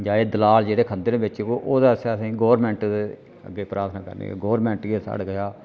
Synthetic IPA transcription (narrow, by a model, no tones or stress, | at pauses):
d͡ʒaːeːd̪əlaːld͡ʒeːɽeːkʰə̃nd̪ɾeːbɪt͡ʃkoːʔoːd̪aːsasĩːɡoːʋɾmɛ̃ːɳʈ̪e | ə̰ɡeːpɾʔaːɾt̪ʰnãːkə̰ɾnḛːḛɡoːəɾmɛ̃ːɳʈɡeːsa̰ːɽkəʃaː